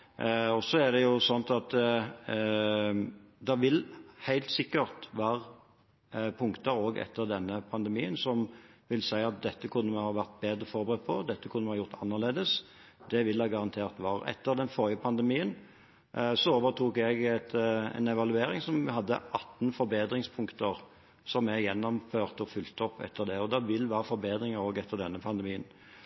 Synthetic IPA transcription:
ɔsɔæʁd̪ɛjʊsɔnt̪ɑt̪ | d̪ɑʋɪlhæɪlt̪sɪkːəʁt̪ʋɑːʁ | pʰʊŋkt̪əɾoːɡɛ̰t̪ʰːəʁd̪ɛnːəpʰɑnd̪ɛmiːənsɔmʋɪlsæɪɑt̪̚d̪ɛt̪ːəkʰʉnːəmɛhɑːʋæʁt̪̚beːd̪ɾəfɔɾbəʁɛt̪̚pʰɔd̪ɛt̪ːəkʰʉnːmɛhɑːjʊʁt̪ʰɑnːəʁleːd̪əs | d̪ɛʋɪlːæɡɑʁɑnt̪ʰeːʁt̪ʋɑːʁɛ̰t̪ːəɾd̪ɛnfɔɾɪəpʰɑnd̪ɛmiːən | sɔoːʋəʁt̪ʰuːkɛɡɛt̪ɛ̰nɛʋɑlʉeːɾɪŋsɔmʋɪhɑd̪ːə̰ʔɑt̪ːnfɔɾbeːd̪ɾɪŋspʰʊŋkt̪əʁ | sɔmɛjɛnːɔmføːʁt̪ɔfʉlt̪əɔpːɛ̰t̪ʰːəʁd̪ɛɔd̪ɛʋɪlʋæːʁəfɔɾbeːd̪ɾɪŋəɾoːɡɛt̪ʰːəʁd̪ɛnːəpʰɑnd̪əmiːən

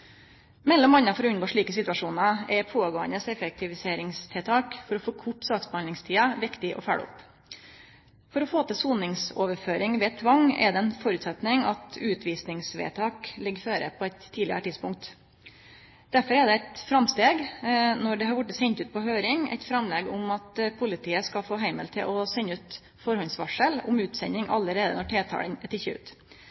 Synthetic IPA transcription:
mɛlːɔmɑnːɑfɔɾɔʉnɡoːʂɭiːkəsɪt̪ʉɑʂuːnɑɛɾpʰoːɡoːə̰nəsɛfɛk̚t̪ʰɪʋɪseːɾɪŋst̪ʰɛlt̪ʰɑːkfɔɾɔfoːkʰʊʈːst̪ɑːt̪sbhɑnd̪ɪŋst̪ʰiːɑʋɪkt̪ɪʔɔ̰fæ̰ːɖʊ̰p | fɔɾɔfoːt̪ɪsuːnɪŋsoːʋəɾføːɾɪŋʋɛːt̪ʰʋɑŋːɛ̰d̪ɛɛnfɔɾʉːt̪sɛt̪nɪŋɑt̪ʉːt̪ʰʋiːsnɪŋsʋḛːt̪ʰɑːklɪɡːføːɾə̰pʰɔɛt̪ʰːiːd̪lɪə̰ɾəʈʰɪd̪spʊŋk̚t̪ | d̪̥æɾfɔɾɛd̪ɛæɪt̪fɾɑmst̪eːɡnɔɖɛhɑɾʋʊʈːəsɛɲt̪ʉːt̪̚pʰɔɦøːɾɪŋæ̰ɪt̪fɾɑmlɛɡʊmɑt̪pʰʊlɪt̪ʰiːəskɑfoːɦæɪməlt̪ʰɪ̰lʔɔsɛnːʉːt̪ | fɔɾhɔnsʋɑʂəlʊ̰mʉːt̪sɛɲːɪŋʔɑlːəɾeːd̪ə̰nɔʈʰeːt̪ʰɑ̰ːlənɛt̪ɪçːəʉ̰ːt̪

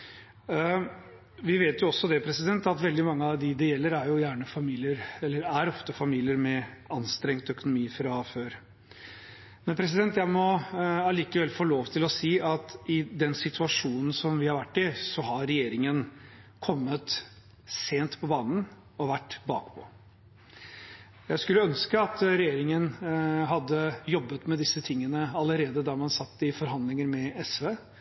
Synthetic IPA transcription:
ʋɪʋeːt̪jʊɔsːɔd̪ɛpʰɾɛsɪd̪ɛnt̪ɑt̪ʋɛld̪ɪmɑŋːəɑʋd̪ɪd̪ɛjɛlːəɾæɾjʊjæːɳəfɑmiːlɪəɾɛlːəɾæɾɔft̪əfɑmiːlɪəɾmɛɑnst̪ɾɛŋt̪œkʊnʊmiːfɾɑføːɾ | mɛnpʰɾɛs̬ɪd̪ɛnt̪jæɪmɔɑliːkəʋɛlːfoːloːʋt̪ʰɪlɔsiːʔɑt̪ɪd̪ɛnsɪt̪ʰʉɑʂuːnn̩sɔmʋɪhɑɾʋæʈːɪsɔɦɑɾɾɛjeːɾɪŋənkʰɔmːət̪ | seːnt̪pʰɔbɑːnn̩ | ɔʋæʈːbɑ̰ːkpʰɔ̰ | jæɪskʉlːəœnskəɑt̪ɾɛjeːɾɪŋənɦɑd̪ːəjɔbːət̪mɛd̪ɪsːət̪ʰɪŋːənəɑləɾeːd̪əd̪ɑːmɑnsɑt̪ːɪfɔɾɦɑnd̪lɪŋəɾmɛɛsʋeː

